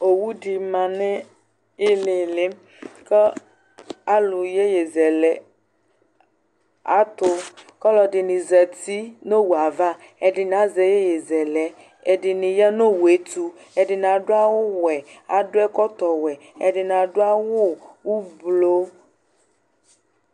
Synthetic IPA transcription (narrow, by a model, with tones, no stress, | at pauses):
o˨wu˦ɖi˨mã˨nɛ̃˦ | e˦le˨le˦m | kɛ˦ | a˦lu˨je˦jɛ˨zɛ˨lɛ˨ | a̰˨t̪o˦kɔ˦lɔ˨ɖɪ˨nĩ˨zɛ˨t̪i˦no˦wu˨a˨va˦ | e˨ɖɪ˨nã˨˦zɛ˨je˦je˨zɛ˨lɛ˨ | e˨ɖɪ˨nĩ˨jɛ˦no˦wu˨e˨˦t̪u˨˦ | ɛ˨ɖɪ˨nã˨ɖo˦a˦wo˦wɛ˨a̰˨dʊ˦ɛ˦kɔ˦t̪ɔ˨wɛ˨ | e˨ɖɪ˨nã˨ɖo˦a˦wo˦wu˦blo˦